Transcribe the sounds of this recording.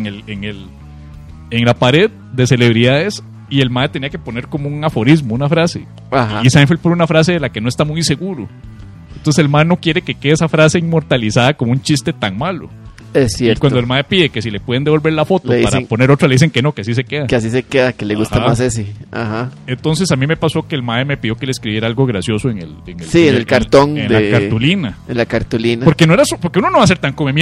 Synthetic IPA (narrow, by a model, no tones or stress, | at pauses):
ŋeleŋel | eŋlapaɾe̞ð | d̪e̞se̞le̞βɾiðaðes | ie̞lmaet̪e̞niake̞po̞ne̞ɾkomouŋafo̞ɾizmounafɾase | ahaisajnfepoɾunafɾas̬eðelakenoest̪amujse̞ɣuɾo | ent̪onseselmaðeno̞kjeɾekekeðesafɾaseiŋmo̞ɾt̪alisaðakomount͡ʃist̪et̪aŋmalo̰ | esjetwand̪oelmaðepiðeke̞s̬ilepweðend̪eβolbe̞ɾlafo̞t̪oðipaɾeŋpo̞ne̞ɾo̞t̪ɾaleðiseŋkenokeasis̬e̞keðakeas̬isekeðakeleɣush̪amasesea̰haent̪o̞ns̬e̞samime̞paso̞keːlmaðeme̞piðjoke̞leskɾiβjeɾaalɡoɣɾasjo̞soeŋḛleŋesienelkaɾt̪oŋendlakaɾulinaenlakaɾt̪ulinapoɾkenoeɾasopoɾkeunonoβas̬e̞ɾt̪aŋkomemi